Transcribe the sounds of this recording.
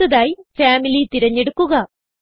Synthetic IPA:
ɐðaːjifaːmilit̪iɾɐɲːeɽukːuɣɐ

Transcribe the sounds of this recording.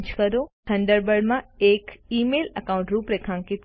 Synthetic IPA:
d͡ʑkɐɾot̪ʰɐ̃ɳɖəɾbəɽmãekiːmeːlɐkãʊ̃ɳʈɾuːpɾekʰãŋkit̪

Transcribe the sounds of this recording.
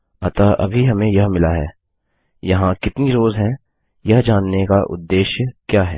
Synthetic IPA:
ɐt̪aʔɐ̰bʱiɦɐmẽjɐɦmɪlaɦɛː | jɐɦãkɪt̪niɾoːzɦɛ̃ | jɐɦd͡ʒaːnːekaʔʊ̰d̪ːeːʃjəkjaːɦɛː

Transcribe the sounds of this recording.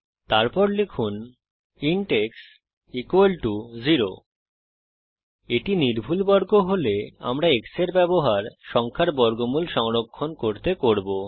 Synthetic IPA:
t̪aɾpɔɾlekʰun | iɳʈeks | ikwelʈud͡ʑiɾo̰ | eʈiniɾbʱulbɔɾɡoɦolea̰mɾaekseɾbɛboɦaɾʃɔŋkʰaɾbɔɾɡomulʃɔŋɾokʰːonkoɾt̪ekoɾbo

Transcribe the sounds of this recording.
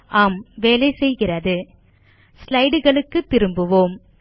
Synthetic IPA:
ʔaːmʋeːlɐɪsɛjɣɪrɐðɯ | slɐɪɽɯɣɐɭɯkːɯt̪ːɪɾɯmbɯʋoːm

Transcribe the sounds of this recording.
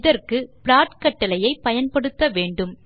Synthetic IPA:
ðɐrkɯpɪɾaːʈkɐʈːɐlɐjɐɪpɐjɐnpɐɽɯt̪ːɐʋeːɳɖɯm

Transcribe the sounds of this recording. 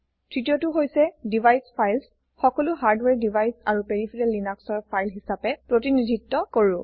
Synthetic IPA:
tʰɹitijotʊɦojsɛdibʱajspʰajls | xɔkɔlʊɦaɹdwɛɹdibʱajsaɹupeɹipʰiɹɛlːinaksɔɹpʰajlɦisapɛpɹotinidʱitːɔkoɹũ

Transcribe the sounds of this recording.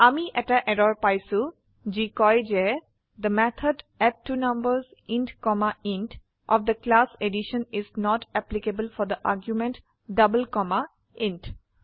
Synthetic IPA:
amiʔɛʈaʔɛɖɔɹpajsu | d͡ʒikɔjd͡ʒɛ | d̪əmɛt̪ʰəɖɛʈ̚ʈːunʌmbəzĩnʈkɔmaĩnʈ | ʔɔ̰fd̪əklaseɖiʃə̃nɪznɔʈɛplikebəlfɔd̪əʔaɾɡjumẽnʈ | ɖʌbəlkɔma | ĩnʈ

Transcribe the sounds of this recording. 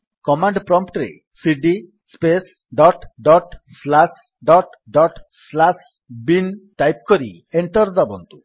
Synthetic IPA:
kɔmaɳɖpɾɔmpʰʈɾḛ | siɖi | spes | ɖɔʈɖɔʈslas | ɖɔʈ | ɖɔʈslas | binʈajp̚kɔɾi | eɳʈɔɾd̪abɔnt̪u

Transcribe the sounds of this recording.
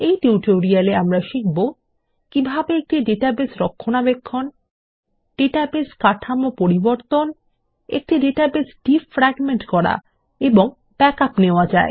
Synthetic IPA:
ejʈiʈoɾialeamɾaʃik̚bo | kibʱabeek̚ʈiɖeʈabesɾɔkʰːonabekʰːon | ɖeʈabeskaʈʰamopoɾiboɾt̪on | ḛk̚ʈiɖeʈabesɖifɾɛɡmeɳʈkɔɾa̰ | eboŋ | b̥ɛkapneoad͡ʑae

